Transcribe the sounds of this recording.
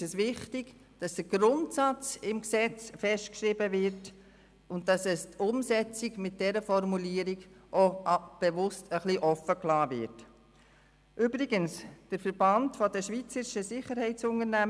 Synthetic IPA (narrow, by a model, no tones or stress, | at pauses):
əsʋɪχtɪɡ̥ | d̥ɑsd̥əɡ̥ɾʊntsɑt͡sɪmksɛt͡sfɛʃtkʃɾibəvɪrt | ʊntdɑsɛstʊmsɛt͡siɡmɪt̚dɛɾəfɔɾmuliːəɾiɡʔɔb̥eʋʊstʰəχliʔɔfəklɑːvɪ̰ɾt | ʔybɾɪɡənsd̥əɾfəɾb̥ɑntfɔdəʃʋiːt͡səɾɪʃəsɪχəɾhɛɪtt͡sʊŋəɾnæ